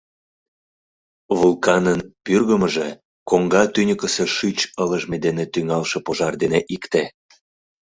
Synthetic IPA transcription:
βulkɑnənpyrɣəməʒe | koŋɡɑt̪ynʲəkəseʃyt͡ɕələʒmed̪enet̪yŋɑlʃĕpoʒɑrd̪eneʔikt̪e

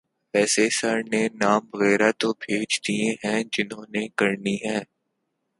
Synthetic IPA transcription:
ɛːsesəɾnenaːmbɐɣɛːɾat̪obʱeːd͡ʒd̪iẽɦɛ̃d͡ʒɪnɦõːnekɐɾniɦɛ̃ː

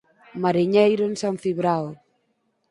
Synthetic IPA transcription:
maɾiɲejɾonsaɱfiβɾaw

